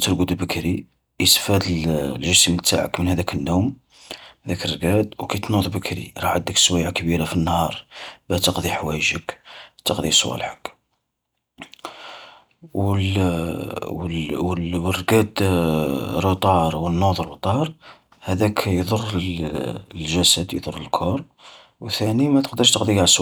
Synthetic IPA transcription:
t̪əɾɡud̪bəkɾi | jəsfæd̪llʒəsmt̪a̰ʕə̰kmənhæd̪ækənːum | hæd̪ækərːɡæd̪wkæt̪nud̪ˤbəkʰɾḭɾˤɑʕəd̪ːəkswæjʕakbiɾafinːhɑɾˤbæt̪əqd̪ˤiħwæjəʒəkt̪əqd̪ˤisˤwæ̰lħək | w | wrːɡæd̪ | ɾot̪ˤɑɾˤwənːod̪ˤrˤot̪ˤɑɾˤ | hæd̪ækʰjd̪ˤʊrˤː | lʒæsəd̪jd̪ˤʊrˤːəlkʰoɾˤ | wθænimæt̪ə̥qd̪əɾˤʃt̪əqd̪ˤiɡasw

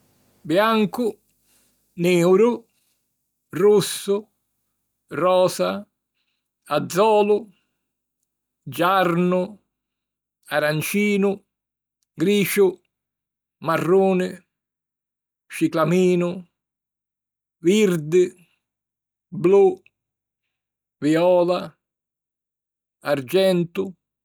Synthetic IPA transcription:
bjaŋkʊ | neːwɾʊ | rusːʊ | rɔːsa | ad̪zːɔːlʊ | d͡ʒaɾnʊ | aɾant͡ʃiːnʊ | ɡɾiːʃʊ | marːuːnɪ | ʃiklamiːnʊ | viɾd̪ɪ | blu | viɔːla | aɾd͡ʒɛnt̪ʊ

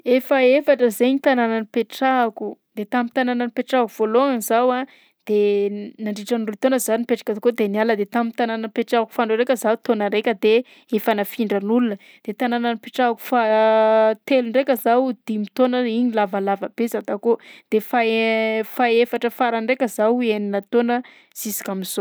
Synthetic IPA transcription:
efaefaʈ͡ʂəzeɲit̪anananipeʈ͡ʂakud̪̥et̪amit̪anananipeʈ͡ʂakuv̥oloaŋizawa | d̪̥enaɳɖ͡ʐiʈ͡ʂanrut̪onəzanipeʈ͡ʂḁkʲat̪akod̪enialəd̪et̪amit̪anananipeʈ͡ʂaku̥faɳɖ͡ʐoɾekʲəzaut̪onəɾekʲəd̪e | efanafiɳɖ͡ʐənulunə | d̪̥et̪ananənipeʈ͡ʂaku̥fa | t̪eluɳɖ͡ʐekʲəzawd̪̥imit̪onəiɲilavalavəb̥ezat̪akod̪̥efafaefaʈ͡ʂəfaɾaɳɖ͡ʐekʲəzaweninat̪onə | z̥isi̥kʲamiz̥o

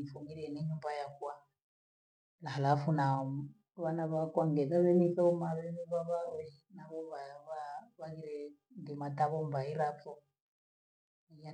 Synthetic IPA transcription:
ifumiɾɛnɛɲumbajakuwa | laɦalafuna | βanaβakʼwaŋɡɛðaβɛniθɔɔmaβɛββaβainaβɔβaβaβaɣiɾɛ | ndimatʼaβɔmbaiɾatɔ | ja

